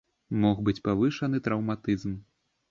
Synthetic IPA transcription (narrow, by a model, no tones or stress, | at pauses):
mɔxbɨt͡sʲpavɨʂɐn̪ɨt̪ɾɐwmat̪ɨzm